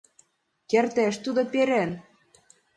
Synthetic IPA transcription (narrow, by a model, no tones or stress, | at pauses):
kert̪eʃt̪ud̪opeɾen